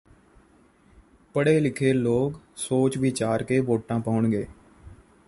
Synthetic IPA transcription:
pəɽeːlɪkʰeːloːksoːt͡ʃʋɪt͡ʃaːɾkeːʋoːʈãːpəʊɳɡeː

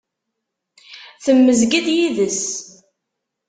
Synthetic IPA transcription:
θəmːəzɡid̪jiðəs

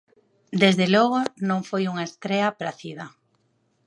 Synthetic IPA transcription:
d̪ezðelɔɣonõŋfojuŋaest̪ɾeapɾaθið̞ɐ

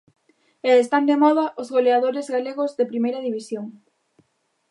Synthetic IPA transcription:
eest̪and̪emɔð̞ɐʔozɣoleaðoɾezɣaleɣozðepɾimejɾɐðiβ̞isjoŋ

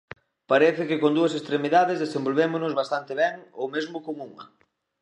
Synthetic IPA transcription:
paɾɛθɪkɪkond̪uɐsest̪ɾemiðaðezðesẽmbolβemʊnʊzβast̪ant̪eβɛŋowmezmʊkoŋuŋɐ̰

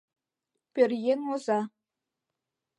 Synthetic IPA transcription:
pʲɘ̆rjenozɑ

